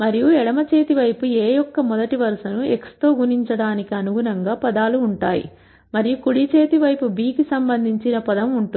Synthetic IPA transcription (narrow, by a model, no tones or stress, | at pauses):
mɐɾijuɛɽɐmɐt͡ʃe̞ːt̪iʋɐjpueːjɔkːɐmɔd̪ɐʈiʋɐɾsɐnuekst̪o̞ːɡuniɲt͡ʃɐɽaːnikiɐnuɡunɐŋɡaːpɐd̪aːluːɳʈaːjḭ | mɐɾijukuɽit͡ʃe̞ːt̪iʋɐjpubiːkisɐmbɐnd̪ʱiɲt͡ʃinɐpɐd̪ɐmuɳʈu